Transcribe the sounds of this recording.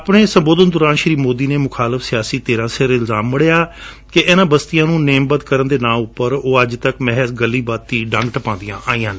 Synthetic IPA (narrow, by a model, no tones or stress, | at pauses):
əpɳeːsəmboːd̪ənd̪ʊɾaːnʃɾiːmoːd̪iːneːmʊkʰaːləfsɪjaːsiːt̪eːɾãːsɪɾɪlzaːmːəɽeːjaː | keʔeːnãːbəst̪ɪjãːnũːneːmbət̪kəɾənd̪eːnãːʊpːəɾoːəd͡ʒt̪əkmɛɦəsɡəlːiːbaːt̪ːiːɖə̃ŋɡʈəpãːd̪ɪjã̰ːʔaːiːjãː